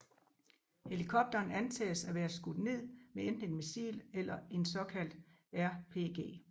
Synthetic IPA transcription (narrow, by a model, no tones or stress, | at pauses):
he̝likʰɒ̽b̥̚d̥ɐːnænt͡sʰɛ̰ːsæʋæːɐsɡ̥ud̥ne̝ð̞̰ˠmeen̰d̥n̩e̝nmisḭːlelɐe̝nsɒ̽kʰæl̰d̥ | æɐ̰pʰe̝̰ːɡ̥e̝̰ː